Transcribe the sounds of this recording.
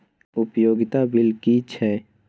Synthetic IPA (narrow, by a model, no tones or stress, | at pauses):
ʊpjoːɡɪt̪abɪlkit͡ʃʰɛː